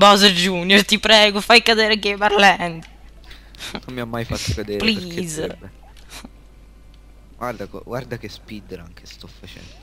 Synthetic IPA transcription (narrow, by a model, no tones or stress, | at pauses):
bɔːzəd͡ʒunːjort̪ipɾɛːɡofajkad̪eːɾekːepaɾlɛnd̪o̥ | nommːiamːajfat̪ːokad̪eːɾplikːz | ɡward̪akɔ̰ɡward̪akespid̪eɾaŋkʰe̥st̪ɔfat͡ʃɛ̰nd̪o